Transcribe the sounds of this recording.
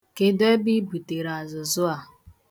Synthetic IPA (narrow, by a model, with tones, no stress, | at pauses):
ke˦de˦bi˦bu˨te˨ɾa˨zʊ˨zʊ˦a˨